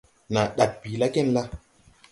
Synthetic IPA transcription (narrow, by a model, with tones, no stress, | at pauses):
na˨ɗa˨t̚pi˨la˦ke˦nla˦